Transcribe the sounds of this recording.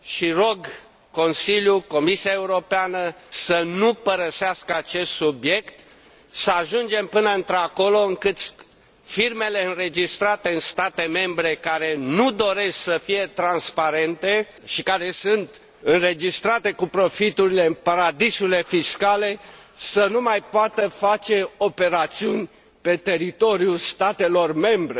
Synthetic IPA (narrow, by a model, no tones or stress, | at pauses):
ʃiɾo̞ɡ | ko̞nsiljuko̞misiae̞uɾo̞peanəsənupəɾəseaskəat͡ʃe̞st̪subje̞kt̪ | səaʒund͡ʒe̞mpɨnəɨnt̪ɾako̞lo̞ɨŋkɨt̪sʲ | firme̞le̞ɨnɾe̞d͡ʒist̪ɾat̪e̞ɨnst̪at̪e̞me̞mbɾe̞kaɾe̞nud̪o̞ɾe̞sksəfije̞t̪ɾanspaɾe̞nt̪e̞ | ʃikaɾe̞sunt̪ | ɨnre̞d͡ʒist̪ɾat̪e̞kupɾo̞fit̪uɾile̞ɨnpaɾad̪isuile̞fiskale̞sənumajpoat̪əfat͡ʃe̞ope̞ɾat̪siunʲ | pe̞t̪e̞ɾit̪o̞ɾjust̪at̪e̞lo̞rme̞mbɾe